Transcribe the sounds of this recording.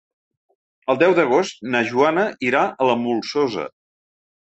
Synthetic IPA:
əlˠd̪ɛwd̪əɣ̞ost̪̚nəʒuanəʔiɾaʔələmulˠsozə̰

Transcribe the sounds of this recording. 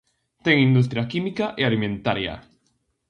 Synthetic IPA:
t̪eŋind̪us̬t̪ɾjakimikaʔealimẽnt̪aɾja̰

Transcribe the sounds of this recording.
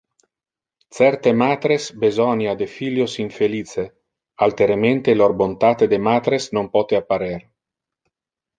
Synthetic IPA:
t̪sɛrt̪emaːt̪ɾesbezɔnjad̪efiljosiɱfeliːt͡se | alt̪eɾement̪elorbont̪at̪ed̪emaːt̪ɾesnompɔt̪eapːaɾer

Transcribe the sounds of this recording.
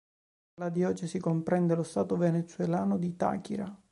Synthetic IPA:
lad̪jɔːt͡ʃesikompɾɛnd̪elost̪aːt̪ovenet̪suwelaːnod̪it̪a̰ːkiɾa

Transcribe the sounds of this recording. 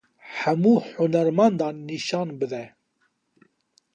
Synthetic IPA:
ħæmuːħʊnæɾmand̪ɑːnːiʃɑːnbɨd̪ɛ

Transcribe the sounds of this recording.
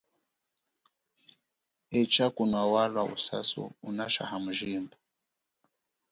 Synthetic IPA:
ɛt͡ʃakunwawalwaṵsa̰sṵunaʃa̰hamuʒiːmba

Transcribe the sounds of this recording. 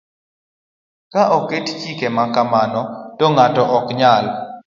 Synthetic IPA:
kaʔokett͡ʃikemakamanɔtɔŋatɔʔɔkɲal

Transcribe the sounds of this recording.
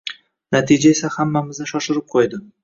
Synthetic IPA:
nat̪ʰid͡ʒae̞sahamːamɪznɪʃɒʃɪɾɪp̚qʰojd̪ɪ

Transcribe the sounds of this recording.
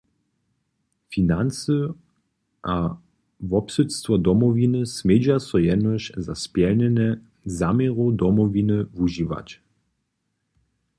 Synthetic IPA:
finansə | a | vɔpsɛt̪st̪vɔd̪ɔmɔvinəsmed͡ʑasɔjɛd̪nɔʃzaspjɛlnɛnɛ | zameʁud̪ɔmɔvinəvuʒiʋa̰t͡ɕ

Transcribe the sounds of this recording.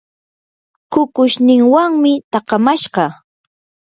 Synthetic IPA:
kʊkʊʃnɪŋwaŋmɪt̪ɑqɑmaʃɢɑ

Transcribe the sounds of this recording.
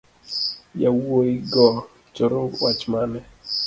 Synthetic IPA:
jawoiɡɔ | t͡ʃɔɾokwat͡ʃmanɛ

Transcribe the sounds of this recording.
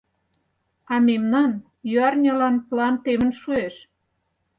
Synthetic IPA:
ɑmemnɑn | jyɑrnʲəlɑnplɑnt̪emə̆nʃueʃ

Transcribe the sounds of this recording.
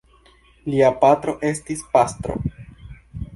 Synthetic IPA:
liapatɾo̞ʔe̞stispastɾo̞̰

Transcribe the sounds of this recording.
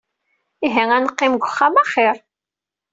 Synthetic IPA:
iɦæŋænəqːɪmɡʷʊχːamæχɪɾˤ

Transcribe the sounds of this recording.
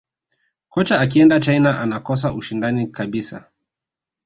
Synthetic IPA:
kɔt͡ʃaːkiɛndat͡ʃajinaʔanakɔs̬aʔuʃindanikaɓisa̰

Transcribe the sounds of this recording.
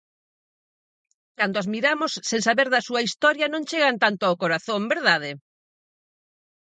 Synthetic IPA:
kand̪oazmiɾamosːeŋsaβeɾðɐsuɐist̪ɔɾjɐnõŋt͡ʃeɣant̪ant̪oawkoɾaθõŋbeɾðaðɪ

